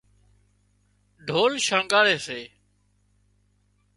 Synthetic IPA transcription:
ɖʱoːlʃəŋɡaːɽeːseː

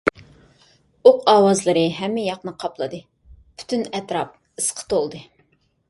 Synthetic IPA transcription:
oqʰɑːwɑzlˠɨɾɨɦɛmːɪjɑqnɨqʰɑplˠɨd̪ɨ | pʰy̥t̪ʰynɛt̪ɾɑp̚ | ɨsqʰə̥t̪ʰolˠd̪ɨ

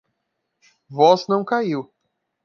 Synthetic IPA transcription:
vɔznɐ̃w̃kaiw

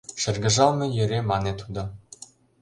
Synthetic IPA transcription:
ʃɘ̆rɡɘ̆ʒɑlnɤ̆jɘ̆ɾʲemɑnet̪ud̪ɤ̆

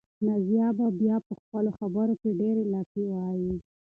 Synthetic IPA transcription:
nazjɑbabjɑpəxpəloxabəɾokeɖeɾelɑkiwɑji

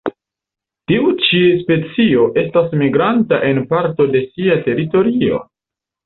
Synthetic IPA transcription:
tiut͡ʃispe̞t͡sio̞ʔe̞stasmiɡɾantaʔe̞npaɾto̞de̞siate̞ɾito̞ɾio̞̰

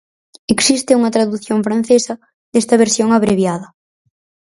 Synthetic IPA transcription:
eksist̪ɪuŋɐt̪ɾaðuθjoɱfɾan̟θesɐ | ðest̪ɐβeɾsjoŋaβɾeβjaðɐ

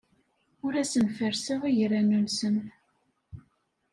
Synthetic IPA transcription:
ʊɾæsənfəɾsəʁijɾːænunsən

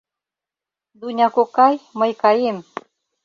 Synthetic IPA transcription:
d̪unʲɑkokɑjməjkɑjem

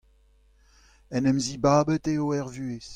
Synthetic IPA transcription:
ɛnɛmzibaːbəteoɛʁvyːes

